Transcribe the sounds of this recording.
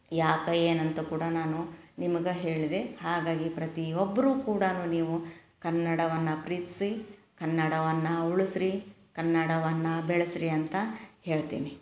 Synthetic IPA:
jaːkɐeːnɐnt̪ɐkuːɽɐnaːnunimɐɡɐɦe̞ːɭid̪e̞haːɡaːɡipɾɐt̪iɔbːɐɾuːkuːɽɐnuːniːʋu | kɐnːɐɽɐʋɐnːɐpɾiːt̪i̥si | kɐnːɐɽɐʋɐnːɐuɭusɾi | kɐnːɐɽɐʋɐnːɐbɛɭɐsɾiɐnt̪ɐhe̞ːɭt̪ḭːni

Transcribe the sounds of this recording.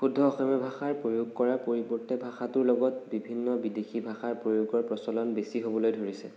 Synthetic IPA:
pudʱɔːxɔmɔbʱaxaɹpɹojʊɡ̚kɔɹapoɹibɔɹtɛbʱaxatʊɹlɔɡɔt̚bibʱinːɔbidexʰibʱaxaɹpɹojuɡɔɹpɹɔsɔlɔnbesiɦobɔlojdʱoɹisɛ̰

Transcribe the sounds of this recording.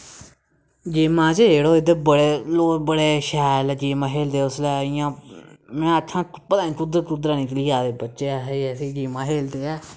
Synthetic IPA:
d͡ʒeːmãːt͡ʃɦeːɽoːɪd̪eːbəɽeːloːbəɽeːʃɛːlːd͡ʒeːmãːɦeːld̪eːʊslɛːɪjãːmɛ̃ːətʰːãːpət̪ãːnĩːkʊd̪ɾkʊd̪ɾaːnĩːkliːaːd̪eːbətːʃeːaːɦeɛsiːd͡ʒeːmãːɦeːld̪eːɛː

